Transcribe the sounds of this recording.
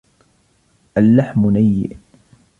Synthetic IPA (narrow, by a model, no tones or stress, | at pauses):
ʔalːaħmnajːɪ̰ʔ